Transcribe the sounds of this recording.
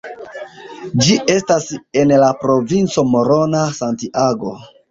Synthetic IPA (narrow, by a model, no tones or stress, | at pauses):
d͡ʒiʔe̞stase̞nlapɾo̞vint͡so̞mo̞ɾo̞nasantiʔaɡo̞